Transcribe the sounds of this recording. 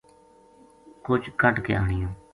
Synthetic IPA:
kʊt͡ʃkʰəʈkḛːaːɳɪjõː

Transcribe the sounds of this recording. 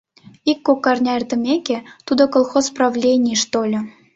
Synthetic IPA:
ikːokːɑrnʲɑert̪ə̆mʲeket̪ud̪okolˠxosprɑvlʲenʲijʃt̪olʲɤ̆

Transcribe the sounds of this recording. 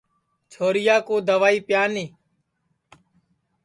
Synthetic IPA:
t͡ʃʰoːɾɪjaːkoːd̪əʋaːiːpjaːniː

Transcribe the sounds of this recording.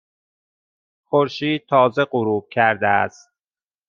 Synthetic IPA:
xoɾʃiːd̪̚t̪ʰɒːzeɢoɾuːb̥̚cʰæɾd̪eæ̰st̪̚

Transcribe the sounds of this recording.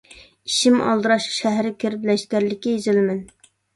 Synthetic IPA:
iʃimɑ̰lˠd̪ɨɾɑʃʃæɦɾɪkʲʰeɾɪplɛʃt̪ʲæɾlɪkʲijizɪlmɪn

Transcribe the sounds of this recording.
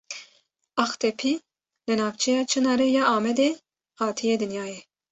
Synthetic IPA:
ɑxt̪ʰɛpʰi | lɨnɑːvt͡ʃʰɛjɑːt͡ʃʰɨnɑːɾejɑːʔɑːmɛd̪e | hɑːt̪ʰijed̪ɨnjɑːje

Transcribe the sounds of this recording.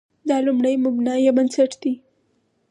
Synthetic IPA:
d̪alʊmɽəjmʊbnajemənsəʈt̪i

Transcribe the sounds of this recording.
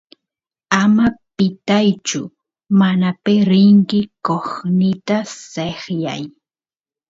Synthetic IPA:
amapɪt̪ajt͡ʃʊ | manapeɾɪŋkɪkoχnɪt̪aseχja̰j

